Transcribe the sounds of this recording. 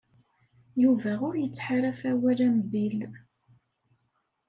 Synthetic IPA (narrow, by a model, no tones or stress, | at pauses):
juvæʊɾjət͡sːħaɾæfæwælæmbil